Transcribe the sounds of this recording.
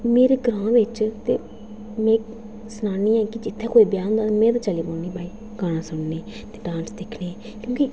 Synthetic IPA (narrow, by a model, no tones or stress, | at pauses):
meːɾeːɡɾãːʋɪt͡ʃt̪ḛː | mɛ̃ː | snaːniːɛ̃ːkɪd͡ʒɪt̪ʰːeːkoːiːbjãːnd̪aːt̪ːmɛ̃ːt̪aːt͡ʃəliːboːniːbaːiː | kaːɽ̃ãːsʊɳneː | t̪eːɖãːnsd̪eːkʰneː | kjõːki